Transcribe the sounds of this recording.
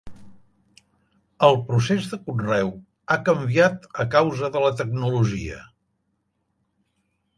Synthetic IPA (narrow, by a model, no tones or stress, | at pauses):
əlˠpɾusezðəkunrɛw | akəmbiat̪əkawzəðələt̪ək̚nuluʒḭə̰